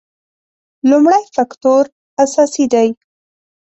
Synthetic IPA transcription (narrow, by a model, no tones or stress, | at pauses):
lumɽajfakt̪oɾ | asɑsid̪aj